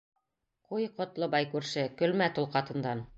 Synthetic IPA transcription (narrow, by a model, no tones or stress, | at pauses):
qujqŏt̪lˠɤbɑjkʉɾʃɘkɵ̆lmæt̪ulˠqɑt̪ɤ̆nd̪ɑn